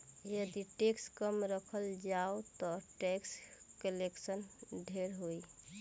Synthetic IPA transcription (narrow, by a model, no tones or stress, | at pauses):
jəd̪iʈekskəmɾəkʰəld͡ʒaot̪ɔʈekskəleksənɖʱeɾɦoi